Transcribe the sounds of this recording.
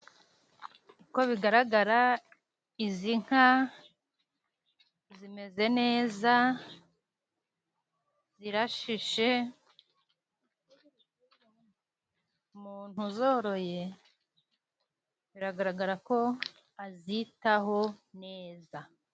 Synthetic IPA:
ko̞βiɡaɾaɡaɾa | iziŋ̥ha | zime̞ze̞ne̞ːza | z̥iɾaʃiʃe̞ | muːn̥huzo̞ːɾo̞je̞ | βiɾaɡaɾaɡaɾako̞ | azitaɦo̞ne̞ːza

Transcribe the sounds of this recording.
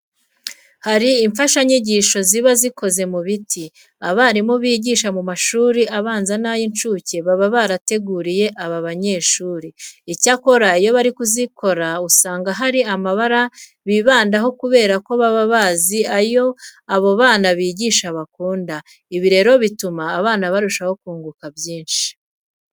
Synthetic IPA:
haɾiːɱfaʃaɲiɟiʃo̞ziβazikʰo̞ze̞muβitʰi | aβaɾimoβiːɟiʃamumaʃuːɾiʔaβaːnzanajint͡ʃuːceβaβaβaɾate̞ɡuːɾije̞ʔaβaβaɲe̞ːʃuːɾiicako̞ɾaijo̞βaɾikuziko̞ɾausaːŋɡaɦaɾiamaβaɾa | βiβaːndaɦo̞kuβe̞ːɾako̞βaβaβaːziajo̞aβo̞βaːnaβiːɟiːʃaβakuːnda | iβiɾe̞ːɾo̞βitumaːβaːnaβaɾuʃaho̞kuːŋɡukabjiːnʃi̥

